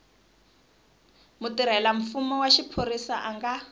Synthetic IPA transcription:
mutiɾ̤ɛlaɱ̩fumɔwaʃipʰoɾisaʔaŋɡa

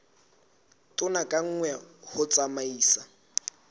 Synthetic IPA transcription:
tʼʊnakʼaŋ̩ŋwɛhʊt͡sʼamaiːsa

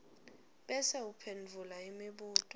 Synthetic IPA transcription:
ɓɛsɛupʰenvʱulaimiɓuːtʼɔ

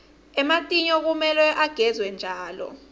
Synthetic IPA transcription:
ɛmatʼiɲɔk̬umɛlwɛʔaɡ̥ʱɛzwɛnd͡ʒʱaːlɔ̰

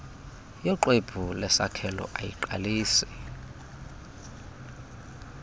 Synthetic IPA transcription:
jɔǃweb̥ʱulɛsakʰɛlɔ̰ʔajiǃa̰liːswɛ

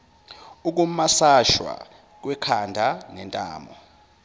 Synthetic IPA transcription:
uk̬ʼumasaʃwa̰ | k̬wɛkʰandʱanɛntʼa̰ːmɔ

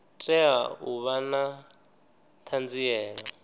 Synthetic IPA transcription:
tʼɛauβana | t̪ʰand͡ziɛːɺa

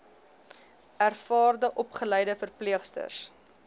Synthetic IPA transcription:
ærfɑːrdəʔɔpχəlɛjdəfərpliəχstə̰rs

